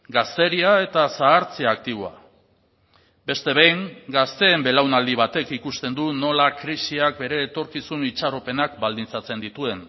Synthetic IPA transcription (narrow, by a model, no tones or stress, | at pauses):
ɡast̪e̞ɾiae̞t̪asaːɾt͡seak̚t̪iβoa̰ | be̞st̪e̞βejŋɡast̪e̞ːmbe̞lawnald̪iβ̞at̪e̞kikust̪e̞nd̪uno̞lakɾisiak̚be̞ɾe̞ːt̪o̞ɾkisunit͡ʃarope̞nakbald̪int͡sat͡se̞nd̪it̪ue̞n